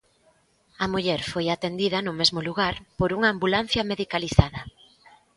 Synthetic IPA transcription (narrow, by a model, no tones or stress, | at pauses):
ɐmuʎɛɾfojat̪end̪iðɐnʊmezmʊluɣaɾpoɾuŋaːmbulan̟θjɐmeðikaliθaðɐ